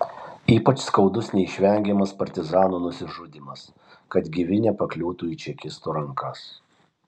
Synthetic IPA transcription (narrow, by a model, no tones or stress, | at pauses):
iːpɐt͡ʃskɒʊd̪ʊsnʲɛiʃʲʋʲɛŋʲɡʲɛmɐspɐɾʲt̪ʲɪzɑːnuːnʊsʲɪʒʊd̪ʲɪmɐs | kɐt̪ɡʲɪʋʲɪnʲɛpɐklʲuːt̪uːit͡ʃʲɛkʲɪst̪uːɾɐŋkʰɐs